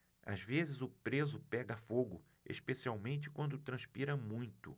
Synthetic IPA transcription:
a̰zvezɪzʊpɾezʊpɛɡɐfoɡʊ | ḛʃpesiawmẽnt͡ʃɪ̥kwɐ̃nd̪ʊt̪ɾɐ̃spiɾɐmũj̃t̪ʊ̰

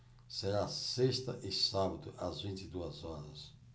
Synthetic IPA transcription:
seɾasest̪ɐ̰ʔisabɐd̪ʊʔɐzvĩnt̪id̪uɐzɔɾɐs

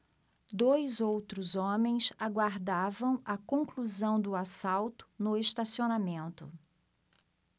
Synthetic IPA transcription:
d̪ojzowt̪ɾʊzõmẽj̃saɡwaɾd̪avɐ̃w̃ɐkõkluzɐ̃w̃d̪ʊasawt̪ʊ̥nʊeʃt̪asionamẽnt̪ʊ

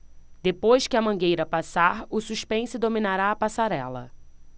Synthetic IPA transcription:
d̪̥epojskɪɐmɐ̃ɡejɾɐpasaɾʊsuʃpẽsʊd̪omĩnaɾaːpasaɾɛlɐ̰

